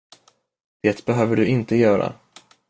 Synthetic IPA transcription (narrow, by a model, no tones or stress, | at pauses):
d̪̥eːt̪bɛɦøːvəɖɵɪnt̪əjœːɾa̰